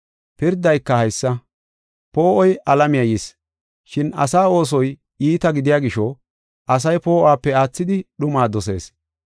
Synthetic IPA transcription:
pɪɾd̪ːɐjkːɐhɐjsːɐ | po̞ːʔɔjʔɐlɐmɪjɐjis | ʃɪnɐ̰saːo̞ːs̬ɔj | iːt̪ɐɡɪd̪ɪjaːɡɪʃɔ | ʔɐs̬ɐjpo̞ːʔaːpːɛaːt͡sːɪd̪ɪɗʊmaːd̪ɔs̬e̞̰ːs

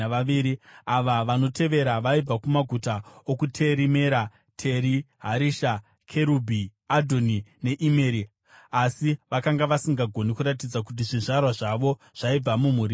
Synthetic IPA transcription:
ʋaiːɾiaʋaʋano̞tʰe̞ʋe̞ɾaʋaib͡vakumaɡʱutaokutʰe̞ɾime̞ɾa | tʰe̞ɾi | ɦaɾiʃa | kʰe̞ɾubʱiadʱo̞nine̞ʔimeɾi | asiʋakaŋɡaʋasiŋɡaɡʱo̞nikuɾat̬id͡zak̬ut̬iʐiʐarwaʐaʋo̞ | ʐ̥aib͡vamum̤uːɾi

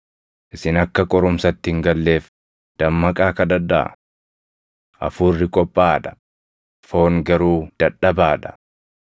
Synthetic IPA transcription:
ʔɪsɪnɐkːɐkʼɔɾʊmsɐt̪ːɪɪŋɡɐlːeːf | d̪̥ɐmːɐkʼaːkɐd̪ɐd̪ːɐ̰ | ʔɐ̰fuːrːɪkʼɔpʼːaːᶑ̪ɐ̥ | fo̞ːŋɡɐɾuːd̪̥ɐᶑɐbaːᶑ̪ɐ̥

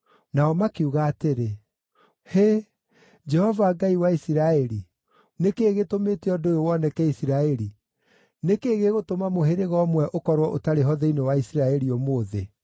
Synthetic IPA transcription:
naɔmakuɣaːteɾe | he | d͡ʒɛhɔvaːɡaiwaisiɾaɛɾi | nekeːɣetomeːteɔdoowɔnɛkɛisiɾaɛɾi | nekeɣeɣotomamoɦeɾeɣɔmwɛʔokɔɾwɔʔotaɾeɦɔðɛinewaisiɾaɛɾiɔmoːðe

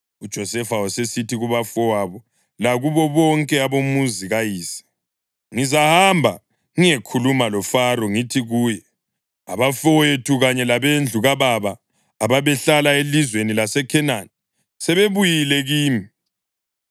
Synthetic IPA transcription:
ud̥ʒ̥ʱɔsɛfawɔsesitʰiɣuβafɔwaβɔ | laɣuβɔβɔŋkʼɛaβomuziɣajiːsɛ̥ | ŋizahambʱa̰ | ŋiekʰulumalɔfaɾɔŋitʰiɣuːjɛ | a̰βafɔwetʰuɣaɲɛlaβend͡ɮʱuɣaβaβaː | βaβɛɬalaelizwenilasɛkʰɛnanɛ | sɛβeβujilɛɣiːmi

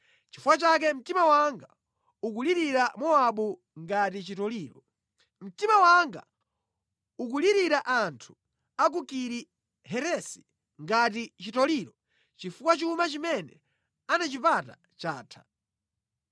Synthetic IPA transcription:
t͡ʃifuwat͡ʃak̬ɛm̩timawaŋɡa | uk̬uliɾiɾamɔaɓu | ŋɡatit͡ʃitɔliːɾɔ | m̩timawaŋɡa̰ | uk̬uliɾiɾaʔantʰu̥ | ak̬ukiɾi | hɛɾɛsi̥ | ŋɡatit͡ʃitɔliɾɔ | t͡ʃifukwat͡ʃumat͡ʃimɛnɛ | anat͡ʃipata | t͡ʃaːtʰḁ

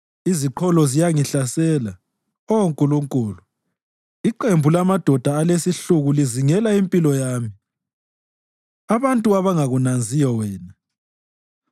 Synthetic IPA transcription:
iziǃʰɔlɔzijaŋiɬasɛːla | ɔoŋkʼuluŋkʼuːlu | iǃembʱulamad̥ʱɔd̥ʱaːlesiɬuɣuliziŋɛlaimpʼilɔjaːmi | aβantʼuaβaŋaɣunand͡zʱijɔwɛːna

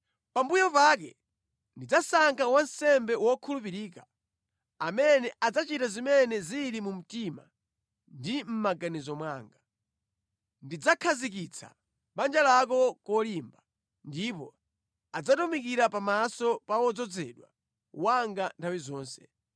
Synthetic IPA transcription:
pambujɔpak̬ɛ | ndid͡zasaŋkʰawansɛmbɛwɔkʰulupiɾiːka | amɛnɛʔad͡zat͡ʃitazimɛnɛziɾimum̩tima̰ | ndim̩maɡanizɔmwaːŋɡa | ndid͡zakʰazik̬it͡sʰa̰ | ɓand͡ʒalak̬ɔkɔlimba | ndipɔ | ad͡zatɔmikiɾapamasɔpawɔd͡zɔd͡zɛ̰ɗwa̰ | waŋɡantʰawizɔːnsɛ̥

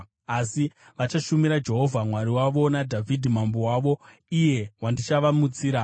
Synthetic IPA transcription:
asi | ʋat͡ʃaʃumiɾad͡ʒe̞ɦo̞vʱamwaɾiwaʋo̞nadʱavʱidʱimambowaːʋo̞ | ije̞wandit͡ʃaʋamut͡siːɾa

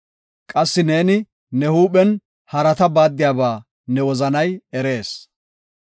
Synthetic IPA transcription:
kʼɐsːɪne̞ːnɪ | nɛhuːɓɛn | hɐɾɐt̪ɐbaːd̪ːɪjaːbaː | nɛwɔzɐnɐjɛɾe̞ːs

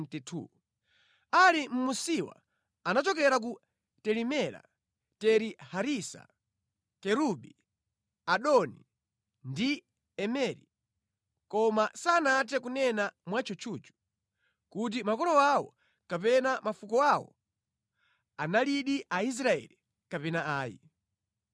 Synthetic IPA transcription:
tɛtʰṵ | alim̩musiwa̰ | anat͡ʃɔk̬ɛɾak̬u | tɛɾimɛɾa̰ | tɛɾihaɾisa̰ | kɛɾuɓi | aɗɔni | ndi | ɛmɛɾi | kɔmasaːnat̬ɛkunɛnamwat͡ʃɔt͡ʃʰuːt͡ʃu̥ | kut̬imakɔɾɔwawɔ̰ | kapɛnamafukɔawɔ̰ | analiɗiʔais̬ɾaɛ̰li | kapɛnaaːjḭ

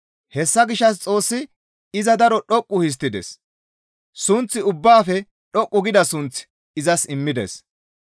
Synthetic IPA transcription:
hɛsːɐɡɪʃːɐs̬t͡sʼo̞ːsːɪ | ɪzɐd̪ɐɾɔɗɔkʼːʊhɪs̬t̪ːɪd̪ɛ̰s | sʊnt͡sːɪʊbːaːfɛ | ɗɔkʼːʊɡɪd̪ɐsʊnt͡sɪ̥ | ɪzɐsɪmːɪd̪ḛs

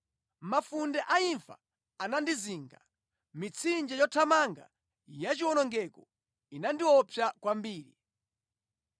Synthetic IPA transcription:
mafundɛʔaiɱfa̰ː | nandiziːŋɡa | mit͡sʰind͡ʒɛjɔtʰamaŋɡa̰ | jat͡ʃiwɔnɔŋɡɛkɔ | inandiwɔpʰjakwambiːɾi

